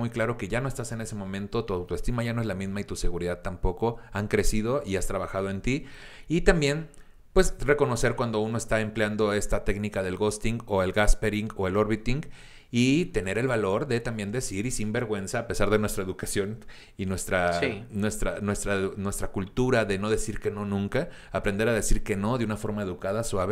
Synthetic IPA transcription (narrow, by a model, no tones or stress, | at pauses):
mujklaɾo̞ke̞ʝano̞est̪ase̞ne̞se̞mõ̞mẽnt̪o̞t̪uawt̪oe̞st̪imaʝanoe̞zlamizmait̪use̞ɣuɾiðaðt̪ampo̞ko̞aŋkɾe̞sið̞o̞iast̪ɾaβ̞axað̞o̞ent̪iit̪ambje̞n | pwe̞sre̞ko̞no̞se̞ɾkwand̪ouno̞est̪ae̞mpljand̪o̞e̞st̪at̪e̞knikaðe̞lɣo̞st̪iŋɡo̞e̞lɡaspe̞ɾiŋɡo̞e̞lo̞ɾβit̪iŋɡ | it̪e̞ne̞ɾe̞lβalo̞ɾðe̞t̪ambje̞nd̪e̞siɾisimbe̞ɾɣwe̞nsaːpe̞saɾðe̞nwe̞st̪ɾae̞ðukasjo̞n | inwe̞st̪ɾasinwe̞st̪ɾanwe̞st̪ɾanwe̞st̪ɾakult̪uɾaðe̞no̞ð̞e̞siɾke̞no̞nũŋkaː | pɾe̞nd̪eɾað̞e̞siɾke̞no̞ðeunafo̞ɾmae̞ðukaðaswaβe